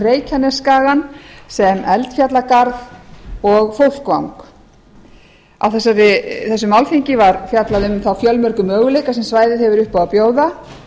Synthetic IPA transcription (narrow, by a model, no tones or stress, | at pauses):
reːjcʰanɛskaːɣansɛmɛlt̪fjat̪lakaɾvɔɣfowl̥kvawŋk | a̰wθɛsːaɾɪθɛsːʏmalfiɲcɪvaɾfjat̪laðʏmθawfjœlmœɾkʏmœːɣʏlejkasɛmsvaːjðɪðhɛvʏɾʏhpawapjoːwða